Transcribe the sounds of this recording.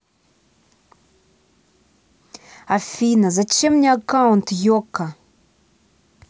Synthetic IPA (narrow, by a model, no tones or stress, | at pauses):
afinəzat͡ʃemniakaunt̪joka